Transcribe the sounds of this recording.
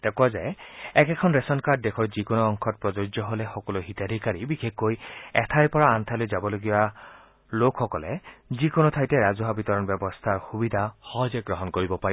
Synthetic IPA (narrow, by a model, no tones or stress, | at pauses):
d̥̪ekuwazaeɛkɛkʰɔnɹesɔnkad̚dekʰɔɹzikonɔːŋkʰɔt̚pɹɔd͡ʒoid͡ʒɔɦolexɔkɔlɔɦitad̪ʱikaɾibikʰekːojɛt̪ʰajpɔɹaːnt̪ʰalojd͡ʒabɔloɡiba | lokʰxɔkɔled͡ʒikonɔt̪ʰajteɾazuɦabit̪ɔɹɔnbjɛbɔst̪ʰaɹxubid̪ʱahɔɦɔd͡ʒeɡɹɔɦɔnkoɹibɔpaɾi